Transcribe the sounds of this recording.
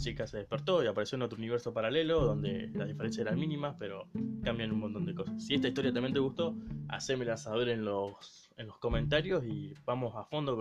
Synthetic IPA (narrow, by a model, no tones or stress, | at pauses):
t͡ʃikase̞ðehpeɾt̪o̞iapaɾesjono̞t̪ɾouniβeɾso̞paɾale̞lo̞ðo̞nd̪e̞̰laðifeɾens̬jaseɾanminimaspeɾo̞kambjanunmont̪o̞nd̪eko̞sasːie̞ht̪ait̪o̞ɾjat̪amjent̪̬eɣuht̪o̞a̰seme̞lasaβeɾe̞nlo̞s | enlosko̞mẽ̞nt̪aɾjo̞siβamo̞safo̞nd̪o